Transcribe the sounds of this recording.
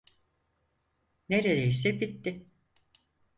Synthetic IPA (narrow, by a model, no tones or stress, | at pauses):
neɾeɾeisɛbit̪ːɪ